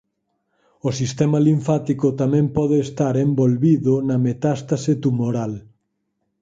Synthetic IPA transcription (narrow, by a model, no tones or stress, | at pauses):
osist̪ɛmaliɱfat̪ikʊt̪amɛ̃mpɔðeːst̪aɾembolβiðʊnɐmet̪ast̪aset̪umoɾal